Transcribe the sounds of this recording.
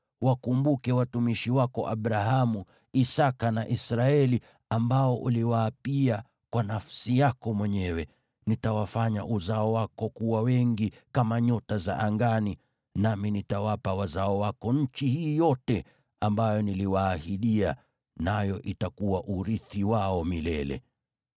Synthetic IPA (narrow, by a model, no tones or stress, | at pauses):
wakumbukɛwatumiʃiwakɔʔa̰ɓɾaɦamu | isakanaʔisɾaɛli | ambaɔʔṵliwaːpia | kwanafsijakɔmwɛɲɛwɛ | nitawafaɲa̰ʔuzaɔwakɔkuwawɛŋɡikamaɲɔtaza̰ʔaŋɡani | naminitawapawazaɔwakɔɲ̩t͡ʃihiːjɔtɛ | ambajɔniliwaːhiɗia | najɔʔitakuwaʔuɾiθiwaɔmilɛlɛ̰